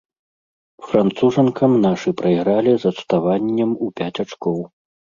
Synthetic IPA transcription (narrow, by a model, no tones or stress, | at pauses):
fɾant̪suʐɐnkɐmnaʂɨpɾɐjɣɾalʲizɐt̪st̪avanʲːɛmupʲat͡sʲat͡ʂkɔw